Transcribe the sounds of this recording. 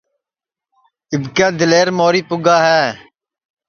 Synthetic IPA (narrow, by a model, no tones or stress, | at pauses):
ɪbkɛːd̪ɪleːɾmoːɾiːpʊɡaːɦɛː